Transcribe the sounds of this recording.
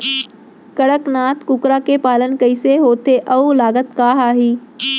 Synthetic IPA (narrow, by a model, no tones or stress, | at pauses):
kɐɽəknaːt̪kʊkɾakepaːlənkɐɪseɦoːt̪eʔɐulaːɡət̪kaːɦaːɦiː